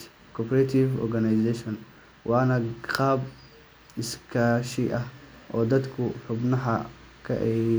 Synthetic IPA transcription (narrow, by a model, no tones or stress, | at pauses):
kʰɔpʰɾɛt̪ʰivɔ̰rɡɐnɐjsɛʃɔn | wʔɑːnɐqɑːb | ɪskʰaːʃiʔɐh | ʔɔːd̪ɐd̪kʰʊħʊbnɐɦɐ | kʰɐ̰ʔɛ